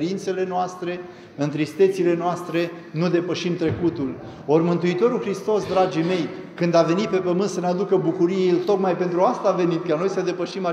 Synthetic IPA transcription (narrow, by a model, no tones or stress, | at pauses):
ɾint̪se̞lenoast̪ɾe̞ | ɨnt̪ɾist̪e̞t̪sile̞noast̪ɾe̞ | nud̪e̞pəʃimt̪ɾe̞kut̪ul | o̞rʲmɨnt̪uit̪o̞ɾulxɾist̪o̞sd̪ɾad͡ʒime̞j | kɨnd̪ave̞nit̪̚pe̞pəmɨnt̪sənead̪ukəbukuɾielt̪o̞kmajpe̞nt̪ɾuast̪aːve̞nit̪karno̞jsəd̪e̞pəʃima